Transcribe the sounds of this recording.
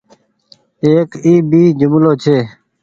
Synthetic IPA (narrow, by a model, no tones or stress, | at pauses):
eːkiːbiːd͡ʒʊmloːt͡ʃʰeː